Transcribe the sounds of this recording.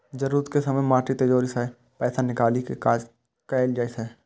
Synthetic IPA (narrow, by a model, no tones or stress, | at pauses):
d͡ʒəɾuːɾət̪kesɐməmaːʈit̪ɐd͡ʒoːɾisɛ | pɛːsanɪkaːlikekaːd͡ʒ | kɛɪld͡ʒaːisɛː